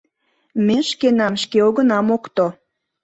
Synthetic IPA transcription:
meʃkenɑmʃkeoɣənɑmokt̪o

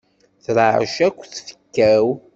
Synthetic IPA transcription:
θɾəʕʃækʷːθfə̥kːæw

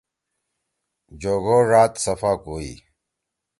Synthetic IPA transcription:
d͡ʑoːɡoːɾaːt̪sɐfaːkoːḭː

